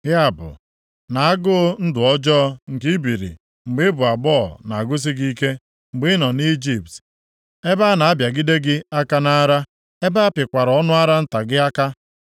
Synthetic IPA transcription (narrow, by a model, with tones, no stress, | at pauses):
ɦɪ˦a˨bʊ̰˨ | na˨a˦ɡʊ˦n̩˦dʊ˨ɔ˦d͡ʒɔː˦ŋ̩˨ki˦bi˨ɾḭ˨ | ŋ͡m̩˨ɡ͡bɪ˦bʊ˨a˨ɡ͡bɔ˦˨na˨a˨ɡʊ˦s̬i˦ɡi˦ke˦ | ŋ͡m̩˨ɡ͡bɪ˦nɔ˨ni˦d͡ʒi˨p̚t | e˦ba˦na˨a˦bja˨ɡi˦de˦ɡɪ˦a˦ka˦na˦ɾa˦ | e˦ba˦a˦pɪ˨kʷa˨ɾɔ˦nʊ˦a˦ɾa˦n̩˦ta˨ɡɪ˦a˦ka˦